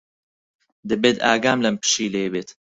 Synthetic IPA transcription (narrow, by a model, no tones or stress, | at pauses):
d̪ɨbeːt̪a̰ːɡaːmlɐmpɨ̥ʃiːlebeːt̪